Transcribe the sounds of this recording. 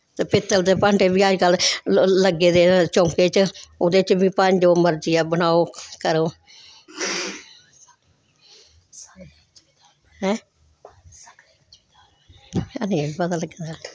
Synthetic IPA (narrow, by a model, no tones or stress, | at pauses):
t̪eːpɪt̪ːəlt̪eːpə̃ɳʈeːbiːəd͡ʒkəlləɡːeːd̪eːt͡ʃõːŋkeːt͡ʃʊd̪eːt͡ʃbĩːpəɲd͡ʒoːməɾd͡ʒijaːbənaːoːkəɾõː | hɛ̃ː | əneːbəd̪aːləɡeːd̪aː